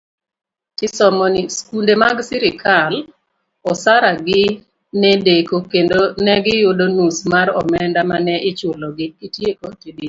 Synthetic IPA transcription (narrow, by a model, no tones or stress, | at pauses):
tɪsɔmɔniskundemaɡsɪɾɪkʰal | ɔsaɾaɡɪ | nɛdekokendonɛɡɪjʊdonusmaɾɔ̰mɛndamanɛʔɪt͡ʃʊlɔɡɪkitjekotidi